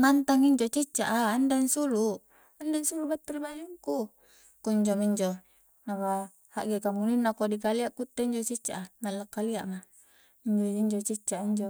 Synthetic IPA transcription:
nant̪aŋiɲd͡ʒot͡ʃit͡ʃːaʔaːndansulu | andansulubat̪ːiɾibaliŋku | kuɲd͡ʒomiɲd͡ʒo | naβa | haʔɡekamuninːakodikaliaʔkut̪ːeiɲd͡ʒot͡ʃit͡ʃːaʔanalːakːaliaʔma | iɲd͡ʒoiɲd͡ʒot͡ʃit͡ʃːaʔiɲd͡ʒo

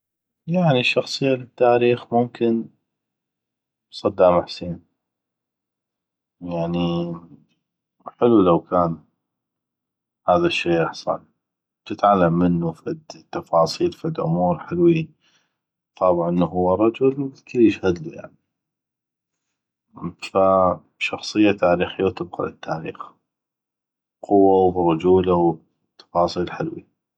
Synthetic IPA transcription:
jaʕniʃːɑxsˤɨjːalɪt̪ːaːɾiːxmʊmkɪn | sˤɑd̪ːaːmaħseːn | jaʕni | ħɪlulawkʰaːn | haːðaʃːeːɪħsˤɑ̰l | t̪ɪt̪ʕalːamːɪnːufad̪t̪ːɑfɑːsˤiːlfɪd̪ʔʊ̰muːɾħɪlwi | t̪ˤɑːbʕʔənːuhʊwːarˤːɑd͡ʒʊlw̪kaliʃhad̪lḭja̰ʕni | fa | ʃɑxsˤɨjːat̪ʰaːɾiːxijːawt̪ɪb̚qɑ̰lɪ̰t̪ʰːaːɾḭːx | qʰʊwːawrˤɑd͡ʒuːlaw | t̪ːɑ̥fɑːsˤiːlħɪlwḭ

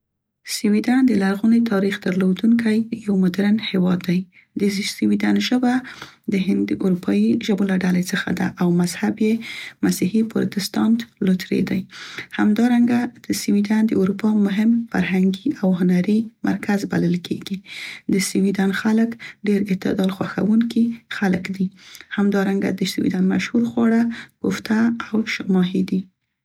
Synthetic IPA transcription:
siwid̪and̪əlaɾɣunet̪ʰɑɾixd̪əɾlod̪uŋkʰajjawmʊd̪ɾanhewɑd̪ːaj | d̪əsiwid̪anʒəba | d̪əɦɪnd̪ːəʔuɾupʰɑiʒəbolaɖalet͡səxa̰d̪a̰ʔawmazhabjemasihipʊ̰ɾt̪ɪst̪ɑnt̪lot̪ɾḛd̪ajhamd̪ɑɾaŋɡad̪̥əsiwid̪and̪əuɾupɑmʊɦɪmfa̰ɾɦaŋɡiawɦʊnaɾima̰ɾkʰazba̰ləlkʰḛɡid̪əsiwid̪anxaləkɖeɾɪt̪ɪ̰d̪ɑlxwaxa̰wuŋkixaləkd̪ihamd̪ɑɾaŋɡa̰d̪əsiwḭd̪anmaʃhuɾxwɑɽapʊft̪aawʃʊmɑɦid̪i

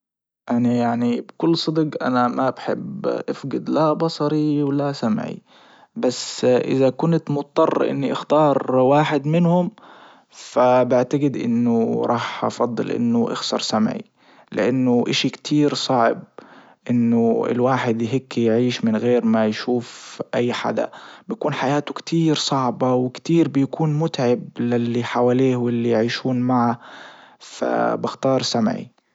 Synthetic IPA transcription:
ʔanajaʕnibkʊlːsˤɨd̪ɡʔa̰namabħɪ̰bʔafɡɪd̪labɑsˤɑɾiwlasamʕḭ | basʔɪ̰ðakʊnt̪mʊt̪̚t̪ˤːɑrˤːʔɪ̰nːiʔɪxt̪ɑːɾˤwaːħɪd̪mɪnhʊm | fabɪʕt̪aɡɪd̪ʔɪ̰nːʊɾˤʔɑːħʔɑ̰fɑd̪ˤːɨ̰lʔɪ̰nːʊʔɪ̰xsɑ̰ɾˤsamʕḭ | lɪ̰ʔanːʊʔɪʃikt̪ʰiːɾsˤɑʕb̚ | ʔɪnːʊɪ̰lwaːħɪd̪jɦɪkːijʕiːʃmɪnɣeːɾmajʃuːfʔajːħa̰d̪a̰bɪjakuːnħajaːt̪ʊkt̪ʰiːɾsˤɑʕbɑwɪkt̪iːɾbɪjakuːnmʊt̪ʕɪblɪlːiħawaleːhwɪlːijʕiːʃuːnmaʕa | fa̰bɪxt̪ɑːɾˤsamʕḭ

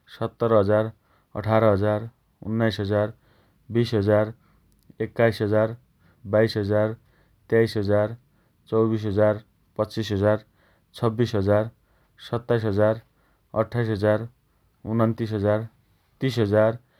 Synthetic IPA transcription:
sʌt̪ːʌɾɦʌd͡zar | ʌ̰ʈʰaɾʌɦʌd͡zar | ṵnːajsɦʌd͡zar | bisɦʌd͡zar | ekːajsɦʌd͡zar | bajsɦʌd͡zar | t̪jajsɦʌd͡zar | t͡sʌwbis̬ɦʌd͡zar | pʌt͡sːisɦʌd͡zar | t͡sʰʌbːisɦʌd͡zar | sʌt̪ːajsɦʌd͡zar | ʌ̰ʈʰːajsɦʌd͡zar | unʌnt̪isɦʌd͡zar | t̪isɦʌd͡zar

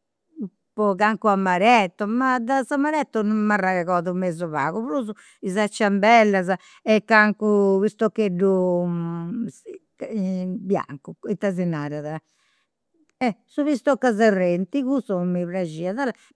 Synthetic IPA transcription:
pɔɣaŋkuamaɾɛt̪ːɔmad̪azamaɾɛt̪ːɔnummːaraɛɣɔːðumezɔβa̰ːɣuβɾuzu | izat͡ʃːambɛlːaza | ɛkːaŋkuβist̪okːeɖːu | bja̰ŋkuit̪ːazinaːɾaða | ɛsuβist̪ɔkːazɛrent̪iɣusɔmiβɾad͡ʒiːaðaɾa

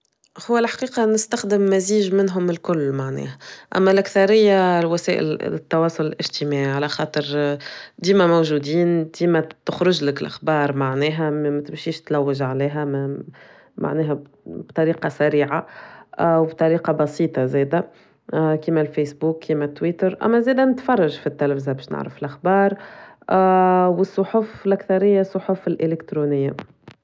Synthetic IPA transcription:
hʊwːælħḁqiːqɑnɪst̪æxd̪ɪmːæziːʒmɪnɦʊmɪlkʊlːmaʕnɛ̰ːhæʔæ̰mːælʔækθɑɾɪjːalwæsɛːʔɪ̰lt̪ːɑwɑːsˤʊlɪlʔɪʒt̪imaːʕiʕalæxɑːt̪ˤəɾ | d̪iːmæmowʒuːd̪iːnd̪̥iːmæt̪ʊxɾʊʒlɪkɪlʔa̰xbɑːɾˤmaʕnɛːɦæmmæt̪ɪmʃiːʃt̪læwːɪʒʕalɛːɦæmæ | ma̰ʕnɛːɦæ | bt̪ˤɑɾiːqɑsæɾiːʕa | wbt̪ˤɑɾiːqɑbɑsiːt̪ˤɑzɛːd̪æ | kiːmælfeːsbuːkːiːmæt̪ːwiːt̪əɾʔæ̰mːæzɛːd̪ænɪt̪fɑrˤːɑʒfit̪ːælæfzabɛːʃnɪ̰ʕɾəfɪlʔaxbɑːɾˤ | wəsˤːoħʊflʔækθɑɾɪjːasˤːoħʊfɪlʔelɪkt̪ɾunɪjːa

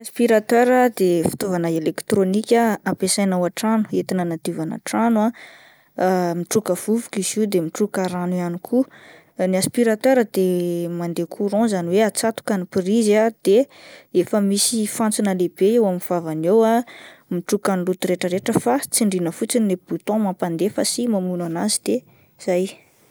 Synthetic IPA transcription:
aspiɾat̪øɾəd̪efi̥t̪ovanaelekt̪ɾonikʲaapesajnawaʈ͡ʂanu̥et̪inənad̪̥ivana̰ʈ͡ʂana | miʈ͡ʂukəv̥uvukiziwd̪emiʈ͡ʂukaɾanuanikʰu | niaspiɾat̪øɾəd̪̥emand̪ekʰuɾɔ̃zaniweat͡sat̪u̥kanipirizad̪̥eefəmisifant͡sinəlebeewaminv̥avanewamiʈ͡ʂukanilut̪uɾeʈ͡ʂəɾeʈ͡ʂəfat͡siɳɖ͡ʐinəfut͡sinieb̥ut̪ɔ̃mapand̪efəsimamunanazid̪̥e | z̥aj

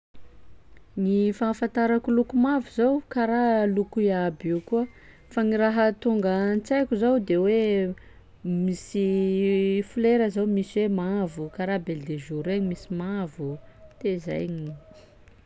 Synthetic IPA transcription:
ŋifafant̪aɾakulukumavuzawkaɾalukuiabikuə | faŋiɾaɦət̪uŋɡənt͡sajkʲuzawd̪ewe | misi | fuleɾəzawmisiwemavukaɾabeld̪eʒuɾeɲimisimavu | t̪eza̰jɲi

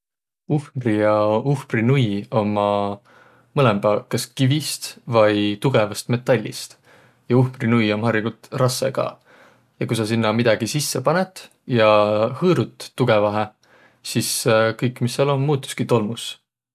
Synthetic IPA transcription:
uhmrijɑuhmrinujo̞mɑ | mɤlɛmbælkːɑskivist̪vɑjt̪uɡ̥e̞vɑst̪me̞t̪ːˑɑlʲːḭst̪ | jɑuhmrinujo̞mhɑriɡult̪rɑsːḛɡ̥ɑ̰ | jɑkujsɑsinːɑmid̪̥ɑɡ̥isisːepɑnet̪ˑ | jɑhɤːɾut̪ːuɡ̥e̞vɑɦe | siskɤjkːˑmisːɑlonmuːt̪ːˑu̥skit̪o̞lmus

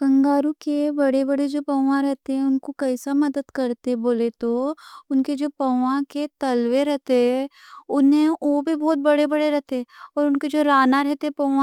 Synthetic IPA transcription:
kɐ̃ŋɡaːɾukebɐɽebɐɽed͡ʒoːpɐʊʋãɾɛɦt̪eɦɛ̃ʊnkokɐɪsamɐd̪əd̪kɐɾt̪eboːlet̪oʊnked͡ʒoːpɐʋãket̪ɐlweɾɛɦt̪eɦɛ̃ | ʊnɦẽobʱibɔːt̪̚bɐɽebɐɽeɾɛɦt̪eɔːɾʊnked͡ʒoːɾaːnaɾɛɦt̪eɛpɐʊã

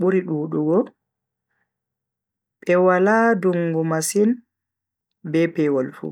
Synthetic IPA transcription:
ɓuɾiɗuːɗuɡɔ | ɓɛwaladuŋɡumasin | bɛpɛwɔlfṵ

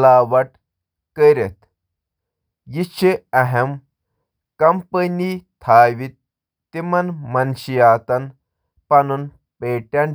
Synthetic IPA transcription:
laːʋɐʈ | kəɾet̪ | jit͡ʃʰiɐɦem | kɐmpənit̪ʰaːʋit̪̚ː | imɐnmɐnɕijaːt̪ɐn | pɐnun | peːʈɐn

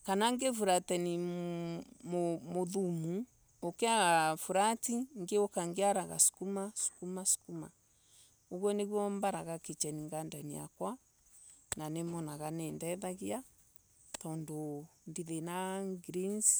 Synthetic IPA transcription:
kanaŋɡefuɾatɛni | momoðumu | okeaɣafuɾatiŋɡeokaŋɡeaɾaɣa̰su̥kumasu̥kumasu̥kuma̰ | oɣwɔneɣwɔmbaɾaɣaket͡ʃɛniŋɡandania̰kwa | nanemɔnaɣanendɛðaɣia | tɔndondiðenaŋɡɾins

